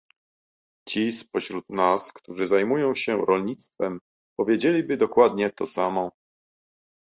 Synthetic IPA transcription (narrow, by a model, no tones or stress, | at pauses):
t͡ɕispɔɕɾut̪naskt̪uʐɘzajmujɔ̃w̃ɕɛɾɔlɲit̪st̪fɛm | pɔvʲjed͡ʑelʲibɘd̪ɔkwad̪ɲɛt̪ɔsamɔ